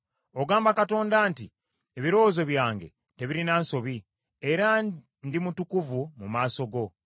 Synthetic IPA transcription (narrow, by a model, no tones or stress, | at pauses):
o̞ɡaːmbakato̞ːndaːnti | eβiɾo̞ːzo̞βjaːŋɡe̞̰ | te̞βiɾinaːnso̞βi | e̞ɾa | ndimutukuvumumaːso̞ɡo̞